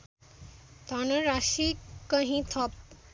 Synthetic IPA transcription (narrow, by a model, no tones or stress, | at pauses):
t̪ɔnəɾaʃikːəɦĩt̪ʰɔp̚